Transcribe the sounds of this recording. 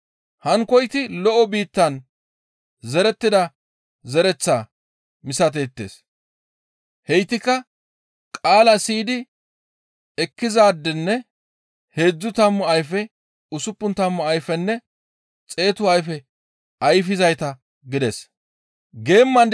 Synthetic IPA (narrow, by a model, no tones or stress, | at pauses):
hɐŋkɔjt̪ɪlɔʔɔbiːt̪ːɐn | zɛɾɛt̪ːɪd̪ɐ | zɛɾɛt͡sːaː | mɪsɐt̪̬eːt̪ːḛːs | hɛjt̪ːɪkːɐ | kʼaːlɐsiːd̪ɪ | ɛkːɪzaːd̪ːɛnːɛ | he̞ːd͡zːʊt̪ɐmːʊɐjfɛ | ʊsʊpːʊnt̪ɐmːʊɐjfɛnːɛ | t͡sʼe̞ːt̪ʊɐjfɛ | ɐjfɪzɐjt̪ɐ | ɡɪd̪ɛs | ɡe̞ːmːɐn